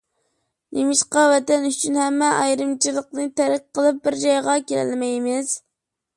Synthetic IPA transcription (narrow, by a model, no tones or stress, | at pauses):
nʔemɪʃqɑwɛt̪ɛnyt͡ʃʰynhɛmːɛʔɑjɾɨmt͡ʃʰilˠəqnɨt̪æɾɪk̚ʲqəlˠɨp̚bɪɾd͡ʒɑjʁɑkʲelɛ̰lmɛjmɪz̥